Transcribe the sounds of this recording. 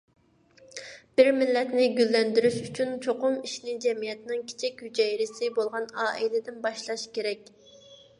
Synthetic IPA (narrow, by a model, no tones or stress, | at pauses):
b̥ɪɾmɪlːɛt̪nɪɡʲylːɛnd̪yɾyʃyt͡ʃʰynt͡ʃʰoqʊmiʃnɪd͡ʒɛmijɛt̪nɪŋkʲʰe̥t͡ʃʰɛkʲhyd͡ʒɛjɾɪsɪbolˠʁɑnɑːʔilɪd̪ɪnbɑʃlˠɑʃkʲeɾɛkʲ